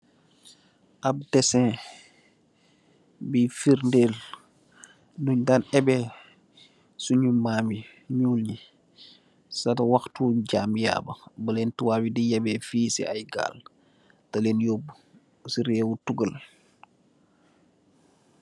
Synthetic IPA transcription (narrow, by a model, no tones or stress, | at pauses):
ʔɐb̚dɛsɛ̃ː | bifiɾndeːl | nuɲdanɛbɛ | suɲumaːmi | ɲuːlɲi | sɐtɐwɐxtuːɟaːmja̰ːbɐbɐleːntuwaːbidijɐbɛːfiːsɛ̰ʔajɡa̰ːl | tɐleːnjoːb | siɾɛːwutuɡəl